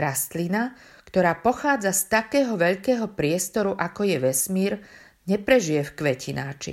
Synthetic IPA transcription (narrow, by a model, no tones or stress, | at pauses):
ɾast̪lina | kt̪ɔɾaːpɔxaːd͡zast̪akɛːɦɔʋɛʎkɛːɦɔpɾɪɛst̪ɔɾuʔakɔjɛʋɛsmiːɾ | ɲɛpɾɛʒijɛfkʋɛcʰinaːt͡ʃḭ